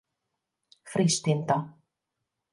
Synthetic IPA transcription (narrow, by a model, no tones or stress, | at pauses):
fɾist̪int̪a